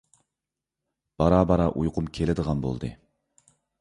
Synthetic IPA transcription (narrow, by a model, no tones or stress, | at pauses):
b̥ɑɾɑːbɑɾɑʔujqʰʊmkʲʰelɪd̪əʁɑnbo̰lˠd̪ɨ̰